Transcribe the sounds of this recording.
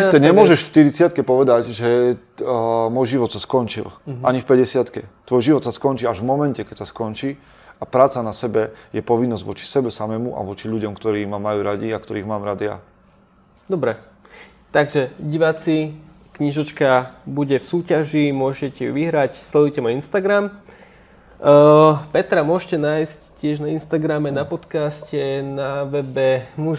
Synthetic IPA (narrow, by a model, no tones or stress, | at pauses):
stɛɲɛmʊɔʒɛʃfʃt̪iɾit͡sɪat̪̚kɛpɔʋɛd̪aɟʒɛ | mɔːjʒiʋɔt̪saskɔnt͡ʃḭlaɲifpɛɟɛsɪat̪kɛt̪ʋɔjʒiʋɔt̪saskɔnt͡ʃiːaʒvmɔmɛncɛkɛcsaskɔnt͡ʃiː | apɾaːt͡sanasɛbɛjɛpɔʋinːɔzɟʋɔt͡ʃi̥sɛbɛsamɛmuʔa̰ʋɔt͡ʃiʎuɟɔmkt̪ɔɾiːmamajuːɾaɟiakt̪ɔɾiːɣmaːmɾad̪ija̰ | d̪ɔbɾɛ | t̪aɡʒɛɟiʋat͡si | kɲiʒɔt͡ʃkabuɟɛfsuːcaʒimʊɔʒcɛcɛjṵʋiɦɾacslɛd̪ujɛcɛmainst̪aɡɾam | pɛt̪ɾamʊɔʒcɛnaːjsccɪɛʒnainst̪aɡɾamɛnapɔt̪kascɛnaʋɛbɛmuʒ